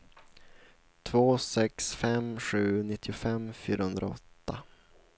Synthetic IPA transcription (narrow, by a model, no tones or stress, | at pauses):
t̪ʰvoːsɛksfɛmɧʉ̟ːnɪt̪ʰːɪʊfɛmːfyːɾahɵnd̪ɾa̰ɔ̰t̪ːa